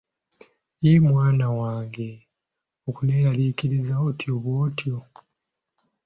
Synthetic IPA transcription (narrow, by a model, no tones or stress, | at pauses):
imwaːnawaːŋɡe̞ | okuneːɾalikiɾizaotʰjoβwo̞ːtjo̞